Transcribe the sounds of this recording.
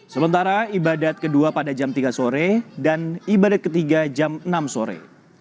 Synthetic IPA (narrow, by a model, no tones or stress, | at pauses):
səmənt̪aɾaibadat̪̚kəduapadad͡ʒamt̪iɡasoɾɛdanibadat̪̚kət̪iɡad͡ʒamənamsoɾɛ̰